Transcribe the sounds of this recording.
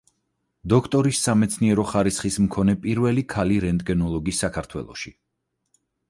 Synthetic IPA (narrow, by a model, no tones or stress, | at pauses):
d̪ɔkʰt̪ʼɔɾisːamɛt̪sʰniɛɾɔχaɾisχismkʰɔnɛpʼiɾvɛlikʰaliɾɛnt̪ʼɡɛnɔlˠɔɡisːakʰaɾt̪ʰwɛ̰lˠɔ̰ʃi